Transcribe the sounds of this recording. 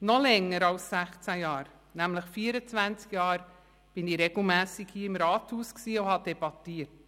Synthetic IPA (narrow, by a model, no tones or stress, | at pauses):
nɔlɛŋːəɾɑlssæχt͡sæjaːɾ | nɛmləxfiːəɾət͡svænt͡skjɑːɾ | b̥ɪniɾɛɡl̩mɛːsɪkhiːəɪmɾɑːthuːsksiːʊhɑd̥ɛbɑtiːt̚